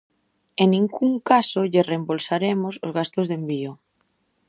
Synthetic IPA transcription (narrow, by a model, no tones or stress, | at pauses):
enĩŋkuŋkasʊʎɪrembolsaɾemʊsozɣast̪ʊzðembio